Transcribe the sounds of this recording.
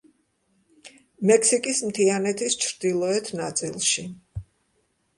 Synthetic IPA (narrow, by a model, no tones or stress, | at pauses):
mɛkʰsikʼismt̪ʰianɛt̪ʰist͡ʃʰɾd̪ilˠɔɛt̪ʰnat̪sʼilˠʃi